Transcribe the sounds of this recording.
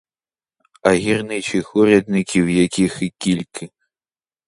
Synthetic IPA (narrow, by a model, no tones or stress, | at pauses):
aɣʲirnɨt͡ʃixuɾʲɛd̪nʲikʲiwjakʲixɨkʲilʲkɨ